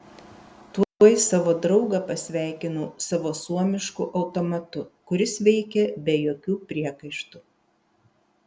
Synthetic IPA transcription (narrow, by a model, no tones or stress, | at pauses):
t̪uɔɔɪsɑːʋoːd̪ɾɒʊɡɐpɐsʲʋʲæˑɪkʲɪnuːsɑʋoːsuɔmʲɪʃkʊʔɐʊt̪oːmɐt̪ʊkʊɾʲɪsʋʲɛɪkʲɛbʲɛjoːkʲuːpʲɾʲiɛkɐɪʃt̪u